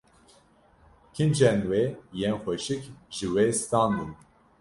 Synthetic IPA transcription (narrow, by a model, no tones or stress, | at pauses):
kʰind͡ʒɛnwejenxʷɛʃikʒɨwest̪ɑːnd̪in